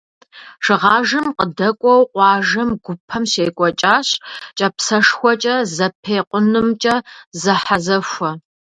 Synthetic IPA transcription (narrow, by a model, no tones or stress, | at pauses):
ʂɨʁɑːʒɨmqədɐkʷʼɔwqʷɑːʒɐmɡʷʊpʰːɐmɕeːkʷʼɔt͡ʃʼaːɕt͡ʃʼɐpsɐʂxʷɔt͡ʃʼɐzɐpʰeːqʷʊnɨmt͡ʃʼɐzɐħazɐfʷɐ